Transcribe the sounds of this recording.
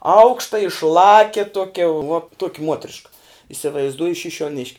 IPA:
ˈɐʊkʃtɐ ɪʃˈlˠɑːkʲɛ ˈtoːkʲɛ ʋuɔ ˈtuɔkʲɪ ˈmuɔtʲrʲɪʃkɐ ɪsʲɪʋɐɪzˈduɔjʊ ʃʲɪʃʲuɔˈnʲɪʃʲkʲ

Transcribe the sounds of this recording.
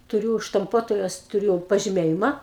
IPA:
tʊˈrʲuː ʃtɐmˈpuɔtoːjoːs tʊˈrʲʊ pɐʒʲɪˈmʲeːjɪmɐ

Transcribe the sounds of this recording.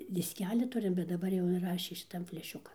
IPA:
dʲɪsʲˈkʲæːlʲɪ ˈtʊrʲɪm bʲɛt dɐˈbɐr jɛʊ ɪnˈrɑːʃʲeː ʃʲɪˈtɐn fʲlʲɛˈʃʲʊkɐn

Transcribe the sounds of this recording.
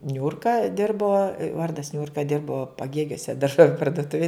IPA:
ˈnʲʊrkɐ ˈdʲɪrboː ˈʋɐrdɐs ˈnʲʊrkɐ ˈdʲɪrboː pɐˈɡʲeːɡʲuɔsʲɛ dɐrˈʒoːʋʲʊ pɐrdʊˈtʊʋʲɪj

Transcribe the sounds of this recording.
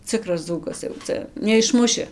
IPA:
ˈt͡sʲɪkrɐs ˈd͡zuːkɐs jɛʊ ˈt͡sʲɛ nʲɛɪʃˈmʊʃʲɪ

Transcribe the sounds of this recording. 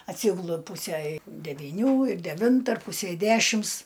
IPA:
ɐtʲˈsʲiːɡʊlˠʊ ˈpuːsʲɛ dʲɛʋʲiːˈnʲuː ɪr dʲɛˈʋʲɪntɐ ɐr ˈpʊsʲɛɪ ˈdʲæːʃʲɪms

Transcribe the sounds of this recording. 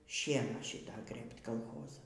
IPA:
ˈʃʲiɛnɑː ˈʃʲɪtɐ ˈɡrɘpt kɐlˠˈxoːzɐ

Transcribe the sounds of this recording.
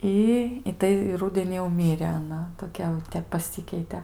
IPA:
ˈɪ ɪ ˈtɐɪ ɪ ˈrʊdʲɛnʲiː jɛʊ ˈmʲɪrʲeː ɐˈnɐ toːˈkʲɛ jɛʊˈtʲɛp pɐˈsʲɪkʲɛɪtʲɛ

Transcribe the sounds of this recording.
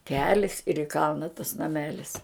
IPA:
ˈkʲæːlʲɪs ɪr ɪ ˈkɐlˠnɐ tɐs nɐˈmʲæːlʲɪs

